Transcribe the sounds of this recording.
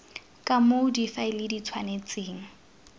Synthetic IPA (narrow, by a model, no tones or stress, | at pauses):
kʼamodifaɪlɪdit͡sʰwanet͡seːŋ̩